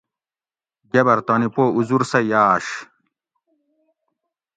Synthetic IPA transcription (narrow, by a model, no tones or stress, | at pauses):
ɡɐbɐɾt̪oːnipoːuzuɾsɐjaːɕ